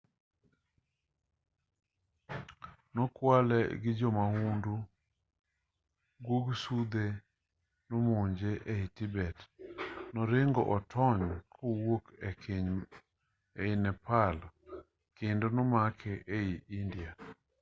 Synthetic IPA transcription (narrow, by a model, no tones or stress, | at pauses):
nɔkwalɛ̰ɡɪd͡ʒɔmaundu | ɡwoɡsud̪e | nɔmoɲd͡ʒeʔeitibɛt | nɔɾɪŋɡɔ̰ʔɔtʰɔɲkʰɔwokɛkeɲ | ɛɪnɛpalɔ | kendonɔmakʰɛʔeiʔindja